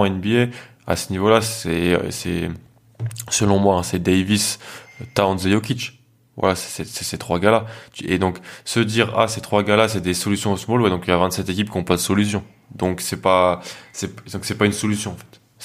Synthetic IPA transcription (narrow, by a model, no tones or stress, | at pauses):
ɛnbie | a̰sənivolasɛ̰sɛ | səlɔ̃mwaɛ̃sɛd̪ejvist̪ãnzejokʲit͡ʃ | vwa̰lasɛ̥sɛsɛ̥set̪χwaɡalat̪yḛd̪ɔ̃ksəd̪iːʁa̰set̪χwaɡalasɛd̪esɔlysjɔ̃osəmɔlwɛd̪ɔ̃kiljavɛ̃nt̪sɛt̪ekʲipkʲiɔ̃pad̪əsɔlys̬jɔ̃ | d̪ɔ̃ksɛpasɛpd̪̥ɔ̃ksɛpaynsɔlysjɔ̃ɑ̃fɛ̥t̪